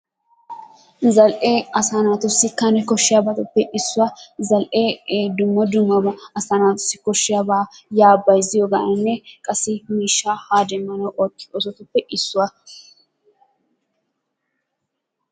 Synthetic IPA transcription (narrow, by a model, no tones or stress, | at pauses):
zɐlʔeːɐsanaːt̪ʊsːɪkɐnɛkɔʃːɪjabɐt̪ʊpːɛʔɪsːʊɐzɐlʔeːd̪ʊmːɔd̪ʊmːɐbɐɐsanaːt̪ʊ̥sːɪkɔʃːɪjabajaːbːɐjzɪjɔɡanɐnːɛkʼɐsɪmiːʃːahaːd̪ɛmːɐnɐwʔɔkːɪ̥ɔsɔt̪ʊpːɛʔɪsːʊwa